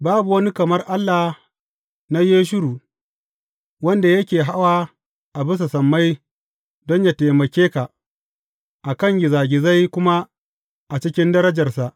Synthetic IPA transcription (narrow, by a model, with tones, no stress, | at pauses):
baː˦bu˨wɐ˦ni˦kɐ˨mɐ˦rʔa˦lːa˨ | na˦jeː˦ʃ̬ʊ˦ɽuː˨ | wɐ˦nda˨jɐ˦kʲeː˨ɦa˦waː˦ | ʔa˨bɪ˦s̬a˨sɐ˨mːa˦j | dɔ˦ɲja˨te˨mɐ˨kʲeː˦ka˨ | ʔa˨kɐ˦˨ŋɡʲɪ˨zaː˨ɡʲɪ˨za˦jkʷʊ˦ma˦ | ʔa˨t͡ʃɪ˦kʲɪ˦ndɐ˦ɾɐ˦d͡ʒɐ˨rsa˨ʔ